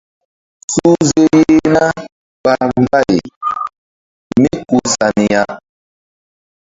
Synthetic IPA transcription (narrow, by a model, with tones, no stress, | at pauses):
su˦ze˦je˦na˦ | ba˦˨m˦ba˦jḛ˨ | mi˦ku˨sa˨ni˨ja˦